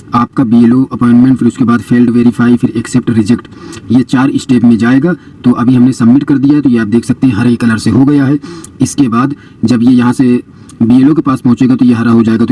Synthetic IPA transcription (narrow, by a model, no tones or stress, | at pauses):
aːp̚kabiːeloʔɐpɔːɪ̃ɳʈmẽɳʈfɪɾʊskebaːd̪fʰeːlɖʋeːɾɪfʰaːifʰɪɾeksep̚ʈɾɪd͡ʒɛkʈjet͡ʃaːɾɪsʈeːpmẽd͡ʒaːeːɡaː | t̪oʔɐbʱiɦɐmnesɐbmɪʈkɐɾd̪ijaɦɛt̪ojeaːp̚d̪eːkʰsɐk̚t̪eɦɛ̃ɦɐɾekːɐləɾseɦoɡɐjaɦɛɪskebaːd̪ | d͡ʒɐbjejɐɦãse | biːeːlokepaːspɐɦʊ̃t͡ʃeːɡat̪ojeɦɐɾaɦod͡ʒaːeːɡat̪o